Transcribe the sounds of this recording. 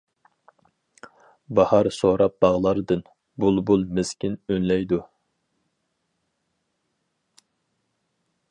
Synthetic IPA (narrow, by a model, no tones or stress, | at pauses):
bɑhɑɾsoɾɑp̚bɑʁlˠɑɾd̪ɨn | bulˠbulˠmɪskʲinønlɛjd̪u